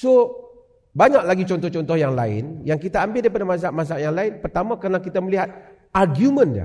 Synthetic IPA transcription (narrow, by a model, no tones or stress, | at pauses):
so | baɲak̚laɡit͡ʃɔnt̪ɔht͡ʃɔnt̪ɔhjaŋlaɪ̰njaŋkit̪aːmbɪldajpadamas̬aʔmas̬aʔjaŋlaɪnpərt̪amakəɾnakit̪aməliɦat̪̚ | arɡjumə̃nda̰